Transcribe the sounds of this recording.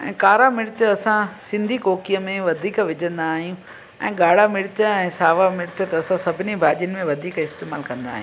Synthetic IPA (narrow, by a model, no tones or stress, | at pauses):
ɛ̰̃ːkaːɾamɪɽɪt͡ɕəɐsãsɪ̃nd̪ʱikoːkijəmẽʋɐd̪ʱiːkʋɪd͡ʑʱə̃nd̪aːɦijũ | ɛ̰̃ːɠaːɽ̤amɪɽɪtəɛ̃ːsaːʋamɪɽɪtət̪ɐɐsãsɐbʱɪnibʱaːʄənɪ̆mẽʋɐd̪ʱiːkɪst̪eːma̰ːlkɐ̃nd̪a̰ːɦḭ̃